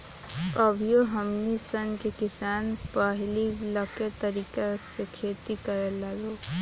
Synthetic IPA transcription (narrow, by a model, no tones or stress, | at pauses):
əbʱjoɦəmnisənkekɪsaːnpəɦliləket̪əɾiːkasekʰet̪ikəɾelado